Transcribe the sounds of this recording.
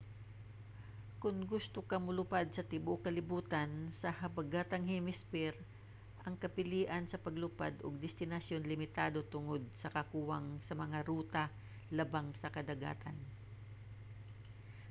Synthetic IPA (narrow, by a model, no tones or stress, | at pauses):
kʊŋɡʊst̪okamʊlʊpad̪̚sɐt̪ɪbokɐlɪbuːt̪ɐnsɐhɐbɐɡaːt̪ɐŋhimɪspɪɾ | ʔɐŋkɐpɪliːʔɐnsɐpɐɡlʊpa̰d̪oɡ̚d̪ɪst̪ɪnɐsjo̞nlɪmɪt̪aːd̪o̞t̪ʊŋod̪̚sɐkɐkuːwaŋsɐmɐŋaɾuːt̪ɐ | lɐbaŋsɐkɐd̪ɐɡa̰ːt̪ʰɐn